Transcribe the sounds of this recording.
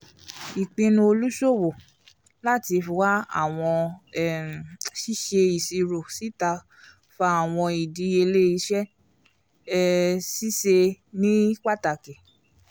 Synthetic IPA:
i˨k͡pĩ˧nũ˧o˧lu˦ʃo˦˨wo˨ | la˦ti˧fu˧˨wa˦a̰˦˨w̃ɔ̃˧ɛ˨ʃi˦ʃe˧i˨si˨˧ɾo˨si˨˦ta˧ | fa˧˦a˨w̃ɔ̃˧i˨di˨˧˦e˧le˦i˧ʃɛ˦ | si˦ʃe˧nĩ˦k͡pa˦˨ta˨ke˨

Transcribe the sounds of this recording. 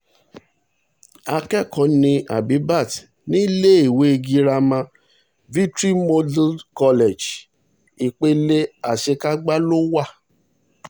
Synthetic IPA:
a˧kɛ˦˨kɔ̃˨˦nĩ˧a̰˨bi˨˦ba˦˨t | nĩ˦le˦e˦˨we˨˦e˧ɡi˧˦ɾa˧mã˧ | vi˦tɾi˦mɔ˦dkɔ˧lɛ˨d͡ʒ | i˨k͡pe˦le˦a˨ʃe˧ka˦ɡ͡ba˦lo˦wa˦˨

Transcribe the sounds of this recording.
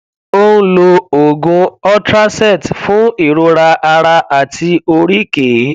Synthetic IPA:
o˦ñ̩˦lo˧o˨ɡũ˧ɔ˦tɾa˦sɛ˦˨tfũ˨˦i˦˨ɾo˧ɾa˧ʔa˧ɾa˧a˨tʰi˧o˧ɾi˦ke˨˦

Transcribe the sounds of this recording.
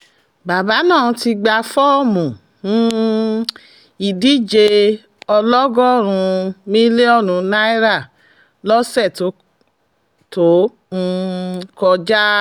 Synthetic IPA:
ba˨ba˨˦nãː˦˨˧ti˧ɡ͡ba˧fɔ˦˨mũ˨ | ñ̩˦ | i˨di˦d͡ʒe˧ | ɔ˧lɔ˦ɡɔ˦˨ɾ̃ũ˧mĩ˦le˦ɔ˦˨nũ˨˦na˦i˦ɾa˦˨ | lɔ˦sɛ˦˨to˨˦ | to˨˦˧ | kɔ˧d͡ʒa˦

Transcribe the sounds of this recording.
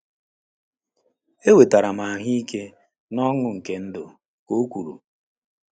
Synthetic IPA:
e˦we˨ta˨ɾa˨ma˨a˨ɦi˦i˦ke˦ | nɔ˦ŋʊ˨ŋ̩˨ke˨˦n̩˦do̰˨ | ko˦kʷu˨ɾṵ˨

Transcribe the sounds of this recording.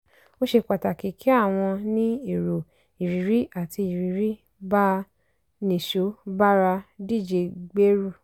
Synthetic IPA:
o˦ʃe˧k͡pa˨ta˨ki˨˦kʰi˨˦a˦˨w̃ɔ̃˧nĩ˦i˨ɾo˨ | i˨ɾi˨ɾi˦ʔa˨ti˧i˨ɾi˨ɾi˦ | ba˦ | nĩ˨ʃo˨˦ba˦ɾa˧di˦˨d͡ʒe˨ɡ͡be˦ɾu˦˨

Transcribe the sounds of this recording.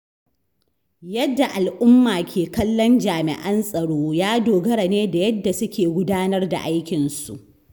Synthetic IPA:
jɐ˦dːa˨ʔa˨lʔʊ˦mːaː˨kʲʰeː˨kɐ˦lːɔ˦nd͡ʒaː˨mɪ̰˨ʔɐ˦nsʼɐ˨ɽoː˦jaː˦doː˨ɡɐ˦ɽa˨neː˦da˨jɐ˦dːa˨sʊ˦kʲeː˨ɡʷʊ˦daː˦nɐ˦rda̰˨ʔa˦jkʲɪ˨nsṵ˨ʔ

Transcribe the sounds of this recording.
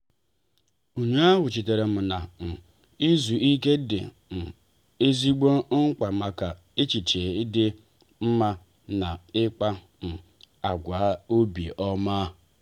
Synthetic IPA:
o˨ɲa˦ɦʊ˨t͡ʃi˨te˨ɾe˨m̩˨na˨m̩˨ | i˦zu˨ʔi˦ke˦dɪ̰˨ | m̩˨ | e˦zi˦ɡ͡bo˦ŋ̩˦k͡pa˨ma˨ka˨ | e˦t͡ʃi˨t͡ʃe˨i˦dɪ˦ | m̩˦ma˦ | na˨ɪ˦k͡pa˦ | m̩˨ | a˨ɡʷa˨˦o˦bi˨ʔɔ˦maː˦

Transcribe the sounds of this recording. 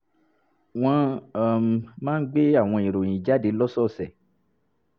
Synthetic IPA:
w̃ɔ̃˧˨m˨mãː˦n̩˦ɡ͡be˦a˦˨w̃ɔ̃˧ĩ˨ɾo˨j̃ĩ˨d͡ʒa˨˦de˨˦lɔ˦sɔ˦˨sɛ˨

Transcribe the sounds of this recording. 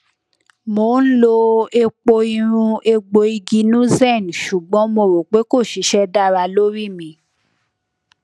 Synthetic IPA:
mo˨n̩˦lo˧e˧k͡po˧i˧ɾ̃ũ˧e˧ɡ͡bo˧i˧ɡi˧˦nũ˦zɛ˦˨n˨ʃu˨ɡ͡bɔ̃˨˦mo˧˨ɾo˨k͡pe˨˦ko˦˨ʃi˨˦ʃɛ˦da˦˨ɾa˧lo˦ɾi˦˨mĩ˨˧˨

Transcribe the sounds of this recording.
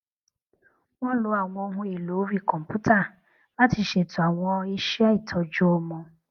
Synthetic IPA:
wɔ̃˦lo˨˦a˦˨w̃ɔ̃˧o˧ɦũ˧e˨lo˨˦ɾi˦˨kɔ̃˨m̩˨pu˦ta˦˨ | la˦ti˧˦ʃe˨tu˨a˨w̃ɔ̃˧i˦ʃɛ˦i˦˨tʰɔ˧d͡ʒu˦ɔ˧mɔ̃˧

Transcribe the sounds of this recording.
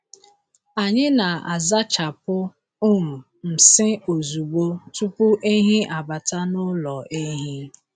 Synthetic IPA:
a˨ɲɪ˦na˨a˨za˦t͡ʃa˨pʊ˦ | ʊ˦u˨ | m̩˨sɪ˦o˨zu˨ɡ͡bo˦tu˦pʊ˦ʔe˦ɦi˦ʔa˨ba˨ta˦nʊ˦lɔ˨ʔe˦ɦi˦

